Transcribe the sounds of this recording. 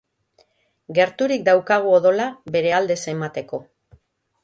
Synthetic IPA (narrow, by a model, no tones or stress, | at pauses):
ɡe̞ɾt̪uɾikd̪awkaɣ̞uoðo̞laβe̞ɾe̞ald̪e̞se̞mat̪e̞ko̞